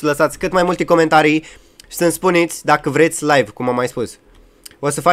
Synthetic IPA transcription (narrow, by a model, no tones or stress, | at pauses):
ləsat̪sʲkɨt̪majmult̪eko̞me̞nt̪aɾij | sɨnspunit̪sʲd̪akəvɾe̞t̪sʲlajvkumamːajspus | osəfa